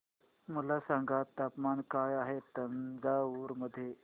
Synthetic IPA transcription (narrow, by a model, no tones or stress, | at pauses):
mulasãŋɡatt̪ːaːpmankaːjaɦet̪ənd͡zauːɾməd̪ʱːje